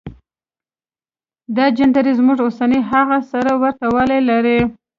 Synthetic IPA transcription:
d̪ɑd͡ʒand̪aɾizmuʐosaneɦaɣasaɾawaɾt̪awalelaɾi

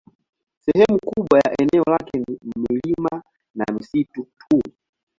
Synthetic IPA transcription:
sɛhɛmukuɓwajaʔɛnɛɔlakɛnimilima | na̰misitutʰu

